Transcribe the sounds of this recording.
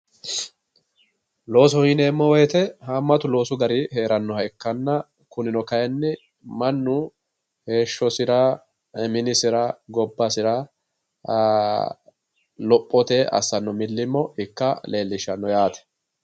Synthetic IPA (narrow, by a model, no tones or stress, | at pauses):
lo̞ːs̬ɔhiːneːmːɔwɔjt̪ɛɦɐmːɐt̪ʊlo̞ːsʊɡɐɾihe̞ːɾɐnːɔhɐjkːɐnːɐ | kʊnɪnɔkɐjɛnːɪ | mɐnːʊ | he̞ːʃːɔsɪɾɐ | ɛmɪnɪsɪɾɐɡɔbːɐsɪɾɐ | lɔpʼːɔt̪eːʔɐ̰sːɐnːɔmɪlːɪmːɔɪkːɐle̞ːlːɪʃːɐnːɔjaːt̪ɛ̥